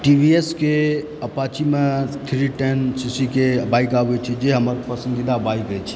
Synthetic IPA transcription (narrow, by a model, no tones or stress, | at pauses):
ʈibʱieske | əpat͡ʃimet̪ʰɾiʈensisikebaikabɛt͡ʃʰid͡ʒeɦəməɾpəsənd̪id̪abaikɛt͡ʃʰi̥